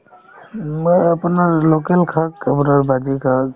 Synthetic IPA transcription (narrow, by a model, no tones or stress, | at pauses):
məəpnaɾlokelkʰakəpnaɾbad̪ikʰak